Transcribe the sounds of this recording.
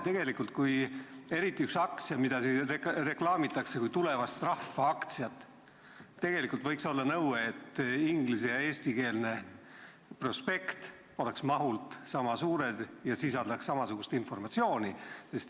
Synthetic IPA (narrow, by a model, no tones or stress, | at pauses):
t̪e̞ɡ̥e̞likult̪̚kuj | e̞ɾit̪ːˑiyksɑkt̪sjɑmid̪̥ɑsirere̞klɑːmit̪ˑːɑkse̞kujt̪ule̞vɑst̪rɑfːɑɑkt̪sjɑt̪ːˑ | t̪ːe̞ɡ̥e̞likult̪vɤ̞jkso̞lːɑnɤwet̪ːiŋɡlis̬e̞jɑe̞ːst̪ike̞ːlne̞ | pro̞spe̞kt̪ | o̞le̞ksmɑɦult̪ˑsɑmɑsuːɾe̞d̪̥jɑsisɑld̪̥ɑksːɑmɑsuɡ̥ust̪info̞rmɑt̪sio̞ːnise̞st̪